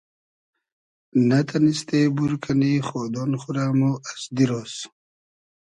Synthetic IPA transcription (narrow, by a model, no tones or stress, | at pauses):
nat̪ʰanist̪ebuɾkʰanixod̪onχuɾaːmuasd̪iɾos